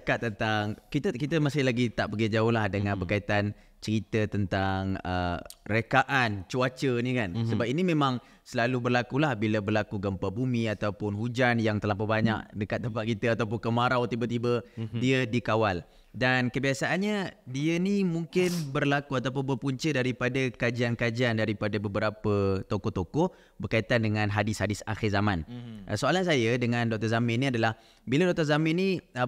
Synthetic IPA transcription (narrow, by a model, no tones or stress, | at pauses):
əkat̪ːənt̪aŋkit̪əkit̪əmasɪhlaɡit̪aʔpəɡid͡ʒaʊhlahdəŋãnbərkait̪an | t͡ʃəɾit̪ət̪ənt̪aŋə̰rəkaʔant͡ʃuat͡ʃənikansəbap̚inimẽmãŋ | səlalubərlakulahbiləbərlakuɡəmpabumĩat̪awpʊnɦud͡ʒanjaŋt̪əlapəbaɲa̰ʔdəkat̪̚ːəmpaʔkit̪əat̪awp̬ʊnkəmaɾawt̪ibət̪ibədiədikawal | dankəbiasaʔanɲadiənimuŋkɪnbərlakuat̪apʊnbərpuɲt͡ʃədaɾipadəkad͡ʒiankad͡ʒandaɾipadabəbəɾapət̪okɔt̪okɔ | bərkait̪andəŋãnɦadɪshadɪsa̰xɪrzamãnʔə̰soalans̬ajədəŋãndɔʔ̚t̪ɔrzamɪniadalah | biladɔk̚t̪əzamɪnːi